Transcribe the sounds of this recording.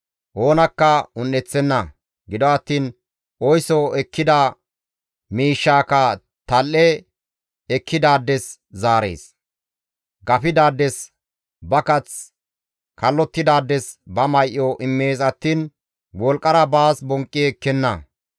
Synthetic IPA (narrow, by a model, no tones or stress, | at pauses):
ʔoːnɐkːɐʊnːɛt͡sːɛnːɐ | ɡɪd̪ɔɐt̪ːiːn | ʔɔjsɔɛkːɪd̪a | miːʃːaːkɐ | t̪ɐlʔɛ | ɛkʰːɪd̪aːd̪ːɛszaːɾḛːs | ɡɐfɪd̪aːd̪ːɛs | bɐkɐt͡s | kʰɐlːɔt̪ːɪd̪aːd̪ːɛsbɐmɐjʔːɔʔɪmːe̞ːsɐt̪ːiːn | wɔlkʼːɐɾɐbaːsbɔŋkʼːiɛkːɛnːɐ̰